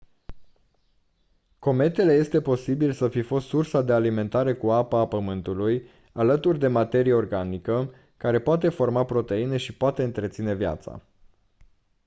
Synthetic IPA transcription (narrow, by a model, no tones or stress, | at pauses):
ko̞me̞t̪e̞le̞je̞st̪e̞po̞sibilsəfifo̞st̪sursad̪e̞alime̞nt̪aɾe̞kuapəapəmɨnt̪uluj | alət̪urʲd̪e̞mat̪e̞ɾije̞o̞rɡanikə | kaɾe̞poat̪e̞fo̞rmapɾo̞t̪e̞ine̞ʃipoat̪e̞ɨnt̪ɾet̪sine̞vja̰t̪sa̰